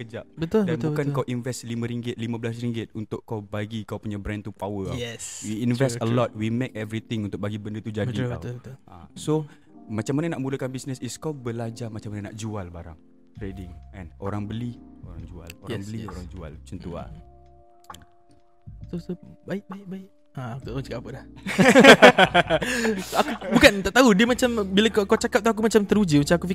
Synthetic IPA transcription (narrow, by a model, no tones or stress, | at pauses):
kəd͡ʒap̚bətt̪ʊldanbukankawʔinvɛslimãɾiŋɡɪt̪̚limãbəlas̬ɾiŋɡɪt̪̚unt̪ʊʔkːawbaɡikawpuɲãbɾɛ̃nt̪upawəkaɛswiːnvɛstəlɔt̪̚wimekɛvɾit̪ɪ̃ŋunt̪ʊk̚baɡibəndət̪ud͡ʒadika̰wət̪ʔa̰so | mat͡ʃamːanənaʔmuləkanbisnəsɪskawbəlad͡ʒamat͡ʃamanənaʔd͡ʒualbaɾaŋ | t̪ɾedɪŋɛ̰̃noɾaŋbəlioɾaŋd͡ʒua̰loaŋbbəlioɾaŋd͡ʒua̰lt͡ʃənt̪ua̰n | ɛn | sosobaɪk̚baɪk̚baɪk | at̪aʔt̪aut͡ʃakapəla | akubukant̪aʔt̪aɦudiəmat͡ʃambiləkakat͡ʃakap̚t̪uakumat͡ʃamt̪əɾud͡ʒimat͡ʃamakufi